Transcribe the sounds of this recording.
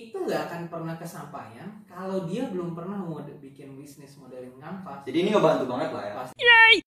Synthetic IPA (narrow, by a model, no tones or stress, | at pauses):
it̪uŋɡaːkanpərnahkəsampa̰jankalawdiabəlʊmpərnahməmadbikɪnbisnɪsmodɛlamŋampad͡ʒadiːniŋɡabant̪ubaŋət̪̚lahjasjai